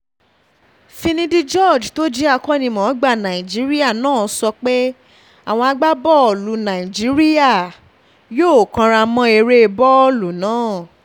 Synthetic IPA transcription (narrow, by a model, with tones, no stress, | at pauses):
fĩ˧nĩ˦di˦d͡ʒɔ˦˨d͡ʒto˦d͡ʒi˦a˧kɔ˦nĩ˧mɔ̃˨˦ɡ͡ba˦˨nã˨i˨d͡ʒi˨˦ɾi˦a˦˨nãː˦˨˦sɔ˧k͡pe˦ | a̰˦˨w̃ɔ̃˧a˧ɡ͡ba˦bɔ˦ɔ˨lu˨˦nã˨i˨d͡ʒi˨˦ɾi˦ja˦˨ | joː˦˨kã˧ɾa˧mɔ̃˧e˧ɾe˦˧bɔ˦lu˨˦nãː˨˦˨